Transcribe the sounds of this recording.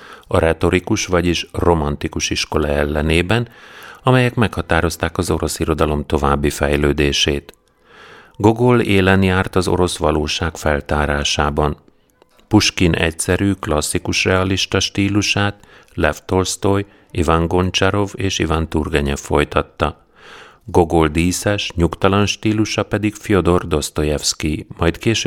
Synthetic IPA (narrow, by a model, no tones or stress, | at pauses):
ɒɾɛt̪o̞ɾikuʃʋɒɟiʃro̞mɒnt̪ikuʃiʃko̞lɒɛlːɛneːbɛnɒmɛjɛkmɛkhɒt̪aːɾo̞st̪aːkɒzo̞ɾo̞siɾo̞d̪ɒlo̞mt̪o̞vaːbːifɛjløːd̪eːʃeːt̪ | ɡoɡoleːlɛnjaːrt̪ɒzo̞̰ɾo̞sʋɒloːʃaːkfɛlt̪aːɾaːʃaːbɒn | puʃkinɛ̰csɛɾyːklɒsːikuʃrɛɒliʃt̪ɒʃt̪iːluʃaːt̪lɛft̪o̞lst̪oj | ivaŋɡo̞nt͡ʃɛɾo̞veːʃivant̪urɡɛɲɛfːo̞jt̪ɒt̪ːɒ | ɡo̞ɡold̪iːsɛʃɲukt̪ɒlɒnʃt̪iːluʃɒpɛd̪ikfio̞d̪o̞rd̪o̞st̪o̞jɛfskimɒjt̪keːʃ